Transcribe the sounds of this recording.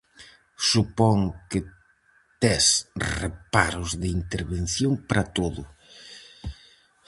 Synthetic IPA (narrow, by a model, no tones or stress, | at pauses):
supɔŋkɪ | t̪ɛsrḛpaɾʊzðɪint̪eɾβen̟θjoŋpaɾɐt̪oðʊ